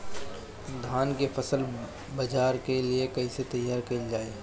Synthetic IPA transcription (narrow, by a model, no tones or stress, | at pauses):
d̪ʱaːnkefʰɐsəl | bɐd͡ʒaːɾkeliekɐiset̪ɐjaːɾkeld͡ʒaːe